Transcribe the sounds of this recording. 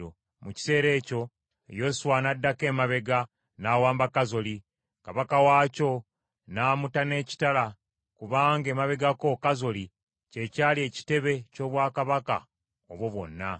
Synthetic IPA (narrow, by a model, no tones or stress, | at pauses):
o | muci̥se̞ːɾe̞ːco̞ | ejo̞suwanadːake̞ːmaβe̞ɡa | naːwaːmbakazo̞li | kaβakawaːco̞ | naːmutane̞ːci̥tala | kuβaːŋɡe̞ːmaβe̞ɡako̞kazoli | ce̞caːlie̞ːci̥te̞βe̞co̞ːβwaːkaβaka̰ | oβwo̞βwo̞̰nːa